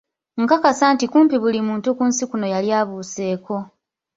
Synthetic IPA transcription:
ŋkakasaːntikuːmpiβulimuːntukuːnsikuno̞jaljaːβuːse̞ːko̞

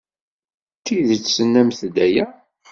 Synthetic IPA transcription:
t̪ːiðt͡sːsənːæmθd̪æjæ

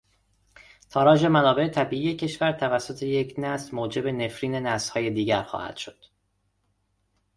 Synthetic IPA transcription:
t̪ʰɒːɾɒːʒe̞mænɒːbe̞et̪ʰæbiːʔiːje̞cʰe̞ʃvæɾt̪ʰævæsːo̞t̪ʰe̞jecʰnæsmoːd͡ʒe̞be̞nefɾiːne̞næshɒːje̞d̪iːɟæɾxɒ̰ːhæ̰d̪̥ʃo̞d̪̥

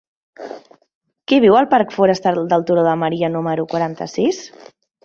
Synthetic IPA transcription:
kɛβ̞iwəlˠpaɾkfɔɾəst̪aɾd̪əlˠt̪uɾoðəməɾiənuməɾukwaɾant̪ə̰sis

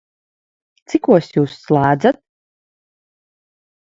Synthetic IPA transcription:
t̪sikuɔsjuːsːlˠaːd̪zat̪̚

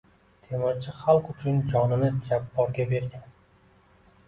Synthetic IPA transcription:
t̪ʰemat͡ʃʰɪχalˠqʊt͡ʃʰʊnd͡ʒɒnɪnɪd͡ʒapːɒɾɡʲabe̞ɾɡʲan

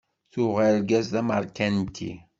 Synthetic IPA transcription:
θuʁæɾɡæzðæməɾˤkænt̪ʰḭ

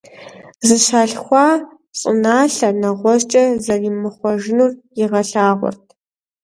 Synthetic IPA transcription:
zɨɕaːɬxʷɑː | ɕʼɪ̰naːɬɐnɐʁʷɔɕt͡ʃʼɐzɐriːmɨχʷɔʒɪnuːrjɪʁɐɬaːʁʷɔ̰rtʰ

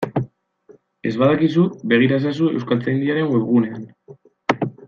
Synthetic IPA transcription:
e̞zβaðakis̬ube̞ɣ̞iɾaes̬as̬ue̞̰wskalt͡sejnd̪iaɾe̞ŋɡwe̞βɣune̞an

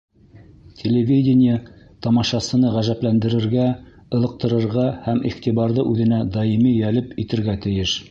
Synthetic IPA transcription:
tʲʰelʲevʲidʲɪnʲɪjə | t̪ɑmɑʃɑsɤ̆nɤʁæʒæplænd̪ɘ̆ɾɘ̆ɾɡæ | ɤ̆lˠɤ̆q̚t̪ɤ̆ɾɤ̆ɾʁɑhæmḭχt̪iβɑɾðɤʔʉðɘ̆næd̪ɑjimijælɘpit̪ɘ̆ɾɡæt̪ɘ̆jɘʃ

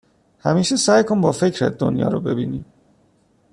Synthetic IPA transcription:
hæmiːʃesæːjkʰonbɒːfe̞cʰɾæ̰t̪̚d̪o̰njɒ̰ːɾobe̞biːniːm

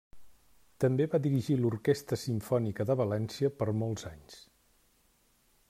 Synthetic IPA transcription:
t̪əmbeβaðiɾiʒiluɾkest̪ɾəsiɱfɔnikəðəβəlɛnsiəpəɾmolˠzaɲs

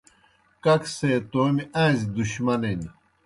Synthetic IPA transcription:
kɐkseːt̪oːmiʔãːzid̪uɕmɐnen

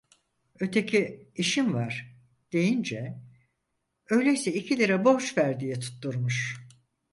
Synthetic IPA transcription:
ø̞t̪ʰe̞cʰiiʃinvaɾ̥ | d̪̥e̞jind͡ʒɛ | ø̞jlʲejsɛicʰilʲiɾɛbo̞t͡ʃvæɾd̪ijit̪ʰu̥t̪ʰːuɾmuʃ

